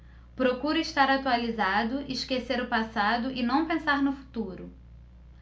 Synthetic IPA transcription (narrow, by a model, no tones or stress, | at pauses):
pɾokuɾʊiʃt̪aɾat̪ualizad̪ʊʔɪʃkeseɾʊpasad̪ʊʔɪnɐ̃w̃pẽsaɾnʊfu̥t̪uɾʊ